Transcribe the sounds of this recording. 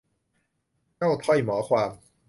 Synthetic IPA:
t͡ɕa˥˩wt̪ʰɔ˥˩jmɔː˩˦kʰwaː˧m

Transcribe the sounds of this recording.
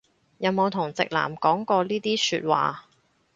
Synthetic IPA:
jɐ˨˧wmo˨˧wt̪ʰʊ˨˩ŋt͡sɪ̰˨k̚la̰ː˨˩mkɔː˨˥ŋkɔː˧liː˥t̪iː˥sy̰ː˧t̚wa̰ː˨

